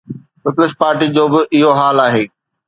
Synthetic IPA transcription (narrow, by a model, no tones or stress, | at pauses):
pɪplɪspaːɾʈid͡ʑoːbɪʔɪɦoɦaːlaːɦeː